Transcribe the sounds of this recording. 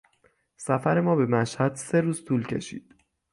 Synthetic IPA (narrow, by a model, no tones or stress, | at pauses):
sæfæɾe̞mɒːbe̞mæʃhæd̪̥se̞ɾuːz̥t̪ʰuːlcʰe̞̰ʃḭːd̪̥